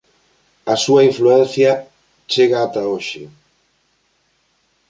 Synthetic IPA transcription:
ɐsuaiɱfluɛn̟θjɐ | t͡ʃeɣaːt̪aoʃɪ̰

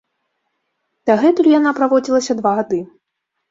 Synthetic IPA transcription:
d̪̥aɣɛt̪ulʲjanapɾavɔd͡zʲilˠɐsʲɐd̪vaɣad̪ɨ

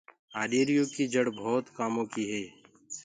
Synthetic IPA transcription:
aːɖeːɾijõkid͡ʒəɽbʱɔːt̪kaːmõkiɦɛː

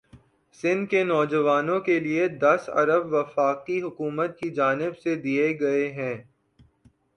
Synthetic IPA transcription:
sɪ̃nd̪kenɔːd͡ʒəʋaːnõkelied̪ɐsɐ̰ɾəbʋɐfaːqiɦʊkuːmət̪̚kid͡ʒaːnɪbsed̪ieɡɐeɦɛ̃ː

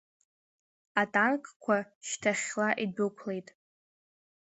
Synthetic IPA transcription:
atʼankʰʼkʷʰaʃtʰaχʲlaʔidʊɨkʷʰle̞jtʼ

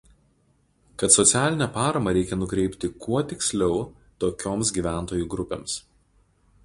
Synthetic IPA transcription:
kɐt̪sɔt̪sʲæːlʲɪnʲɛpɑːɾɐmɐɾʲɛɪkʲɛnʊkɾʲɛɪpʲt̪ʲɪkʰuɔt̪ʲɪksʲlʲɛʊ | t̪oːkʲoːmsɡʲiːʋʲæˑnt̪oːjuˑɡɾʊpʲḛːms

